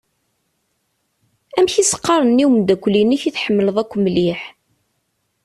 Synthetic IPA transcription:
æmçisə̥qːɑɾˤənːiwmd̪ækʷːliniçiθħəmːələðˤækʷːmliħ

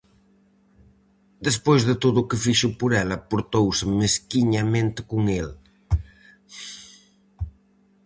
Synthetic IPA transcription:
d̪əspojzðət̪oðukəfiʃupuɾɛlɐpoɾt̪owsəmeskiɲamẽnt̪kuŋel

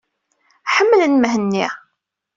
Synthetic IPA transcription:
ħəmːələnmɦənːi

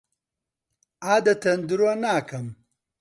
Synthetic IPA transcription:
aːd̪ɐt̪ɐnd̪uɾanaːkɐm

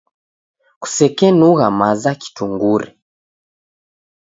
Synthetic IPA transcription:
ku̥sɛkɛnuɣamazaki̥tuŋɡuɾɛ

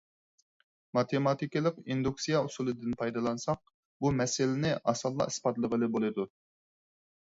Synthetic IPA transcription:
mɑt̪ʰemɑt̪ʰikʲilˠəqind̪uksijɑusulˠɨd̪ɪnpʰɑjd̪ɑlˠɑnsɑq̚ | bumɛsɪlɪnɪʔɑsɑlˠːɑ̰i̥spɑt̪lˠəʁəlˠɨbolˠɨd̪u

